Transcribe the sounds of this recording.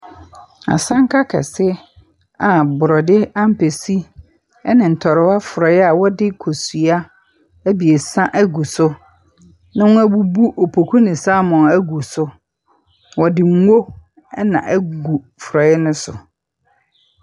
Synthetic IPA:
a̰˨sã˦ŋ˦kʰa˦kʰɛ̰˨sɪ˦ | a˨bʊ˨ɾɔ˨dɪ˦a˦m̩˦pʰe˨si˦ | ɛ˦nɪ̃˨n̩˨tʰɔ˨ɾɪ˨˦wa˦fʊ˨ɾɔ˨ɪ˦a˨wɔ˦dɪ˦kʰo˨su˨a˦ | æ˦bi˨e˨sã˦ʔæ˦ɡu˨sʊ˦ | nã˦wʊ̃˦æ˦bu˦bu˦ʔo˨pʰo˨kʰu˦nɪ̃˨saː˦mɔ̃˨næ˦ɡu˨sʊ˦ | wɔ˨dɪ˨ŋ̩˦wo˦ | ɛ˦nã̰˨ʔæ˦ɡu˨ | fʊ˨ɾɔ˨ɪ˦nʊ̃˦sʊ̰˨

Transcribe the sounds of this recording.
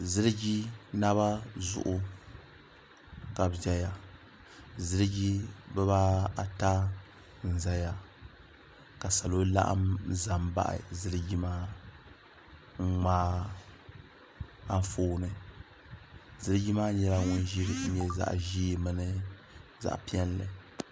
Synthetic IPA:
zɨ˦ɾɨ˦ɡi˦na˦βa˦zʊ̰˨ʔʊ˦ | ka˨bd͡ʒɛ˦ja˨ | zɨ˦ɾɨ˦ɡi˦bɛ˦βa˦a˨ta˦ | n̩˨za˦ja˨ | ka˨sa˨lo˦la̰˦ʔa̰˦mza˨mba̰˦ʔɪ̰˨zɨ˦ɾɨ˦ɡi˦maː˦ | ŋ̩˦ŋ͡maː˦ | a˦ɱ˦foː˦nɨ˨ | zɨ˦ɾɨ˦ɡi˦maː˦ɲɛ˦la˦ŋʊ˦n˦ʒi˦ɾɨ˦ɲɛ˦za̰˦˨ʔʒi˦mɨ˦nɨ˦ | za̰˨ʔpi˦ɛ˦n˦lɨ˨

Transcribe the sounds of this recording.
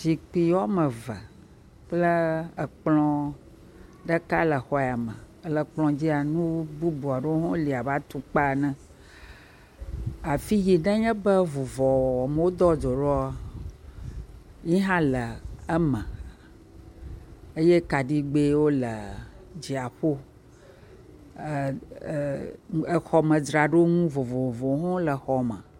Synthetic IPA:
si˨k͡pi˨wɔ˦mə̃˨və̰˨ | k͡plə˦ə˨k͡plɔ̃˦ | ɖə˦ka˦lə˨xɔ˦ja˨mə̃˨ | ə˨lə˨k͡plɔ̃˨d͡ʑi˦a˨nũ˦bu˦bu˨a˨ɖo˦o˦ɦɔ̃˦li˨a˨va˦t̪u˦k͡pa˦˨nɛ̃˦ | a˨fi˦ɣi˨ɖɛ˦ɲɛ̃˦bə˦vu˨vɔ˨ɔ˨mə˨wo˦d̪ɔ˦d̪o˨ɖɔ˦a˦ | ɲĩ˦ɦã˦lə˨ə˦mə̃˨ | e˦je˦ka˨ɖi˦ɡ͡be˦wo˦lə˨d͡ʑi˨a˨ɸo˦˨ | e˨xɔ˨mə̃˨dɾa˨ɖo˦ŋũ˦vo˨vo˨vɔ˨˦ɦɔ̃˦lə˨xɔ˨mə̰̃˨

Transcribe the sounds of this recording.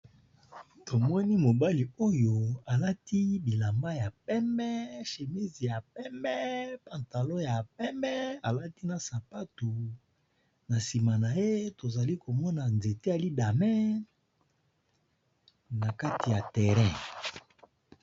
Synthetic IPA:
to˨mɔ˦ni˦mo˨ba˦li˨o˦jo˨a˨la˦ti˦bi˨la˨mba˦ja˨p̚ɛ˦mɛ˦ʃe˨mi˦zi˨ja˨p̚ɛ˦mɛ˦pa˨nta˨lo˦ja˨p̚ɛ˦mɛ˦a˨la˦ti˦na˨sa˨pa˦tu˨ | na˨si˨ma˨na˨je˦to˨za˨li˦ko˨mɔ˦na˨nze˨te˦a˨li˦da˨mɛ˦ | na˨ka˦ti˨ja˨tɛ˨ʁɛ̃˦

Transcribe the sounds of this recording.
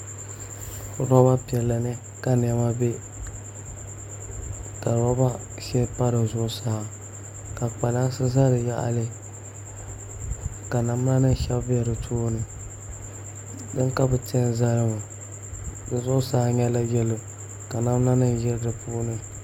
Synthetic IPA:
ɾɔ˦ba˦pi˨ɛ˨lːa˨nɨ˦ | ka˦nɛ˨˦ma˦be˦ | ka˨ɾɔ˦ba˦ | ʃɛ˦pa˦ɾɨ˨zʊ˦ʔʊ˦sa˨˦a˨ | ka˨k͡pa˨la˦n˦sɨ˦za˦ɾɨ˨ja̰˦ʔa̰˨lɨ˦ | ka˨na˨m˦na˦nɨ˦n˨ʃɛ˦bbɛ˦ɾɨ˨tʰuː˦nɨ˦ | dɨ˦ŋka˦bɨ˨te˦n˦za˦ɾɨ˦ŋa˨ | dɨ˨zʊ˦ʔʊ˦sa˦a˦ɲɛ˦la˦jɛ˦lo˨ | ka˨na˦m˦na˦nɨ˦n˨jɛ˦ɾdɨ˨puː˦nɨ˦

